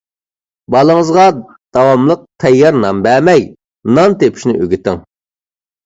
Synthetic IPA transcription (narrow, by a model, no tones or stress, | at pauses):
bɑlˠəŋəzʁɑ | d̪̥ɑwɑmlˠəq̚t̪ʰɛjːɑɾnɑmbæmɛj | nɑnt̪epʰi̥ʃnɪ̰ʔøɡʲit̪ɪŋ